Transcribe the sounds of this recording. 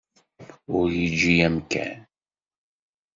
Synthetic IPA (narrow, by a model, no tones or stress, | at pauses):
ʊɾjid͡ʒːijæmkæ̰n